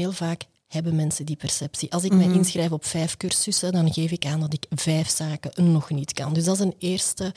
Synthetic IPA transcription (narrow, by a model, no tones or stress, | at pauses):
eːlˠvaːk | hɛbəmɛnsədipɛrsɛpsiʔɑlˠsɪkmɛjɪnsxrɛjfɔpfɛːjfkʏrsʏsədɑnɣeːfɪkaːndɑtɪkv̥ɛːfsaːkənɔxnitkɑ̰ndʏzdɑzəneːrstə